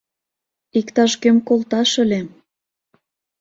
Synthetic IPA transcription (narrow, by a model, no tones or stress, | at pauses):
ikt̪ɑʃkømkolt̪ɑʃə̆le